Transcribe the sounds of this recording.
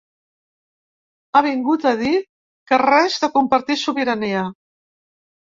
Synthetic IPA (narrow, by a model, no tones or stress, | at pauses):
aβ̞iŋɡut̪əð̞i | kərɛzðəkumpəɾt̪isuβiɾəneə